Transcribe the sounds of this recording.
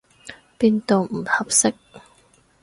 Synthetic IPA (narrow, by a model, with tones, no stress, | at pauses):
piː˧nt̪o˨˧wm̩˨˩hɐ˨˩p̚sɪ˥k̚